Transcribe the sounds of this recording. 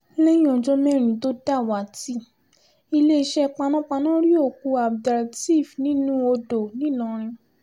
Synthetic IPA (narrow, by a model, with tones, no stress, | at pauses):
lɛ˦jĩ˦ɔ̃˨d͡ʒɔ˧mɛ˦˨ɾ̃ĩ˨to˦da˦˨wa˨ti˦ | i˧le˦i˧ʃɛ˦˧k͡pa˧nã˦k͡pa˧nã˦ɾi˦o˦˨ku˧a˨bda˨ɾti˦˨fnĩ˨˦nũ˦o˧do˨nĩ˦˨nã˨˦ɾ̃ĩ˧